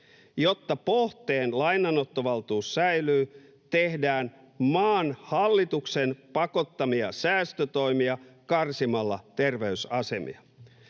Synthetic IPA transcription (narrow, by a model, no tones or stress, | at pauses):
jo̞t̪ːɑpoht̪eːnlɑjnɑnot̪ːoʋɑlt̪uːsːæjlyː | t̪ehdæːn | mɑːnhɑlːit̪uksenpɑko̞t̪ːɑmiɑ̰sæːst̪øt̪o̞imiɑkɑrsimɑlːɑt̪erʋeysɑse̞mḭɑ